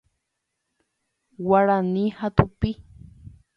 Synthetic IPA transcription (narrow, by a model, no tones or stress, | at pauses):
waɺanihat̪ʊpi